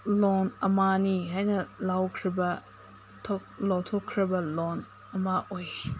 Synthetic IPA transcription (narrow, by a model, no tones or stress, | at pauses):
lɔnɐmaniɦajnɐlawkʰɾibɐ | tʰɔk̚lɔwtʰɔkʰːɾibɐlɔn | ɐmaʔoj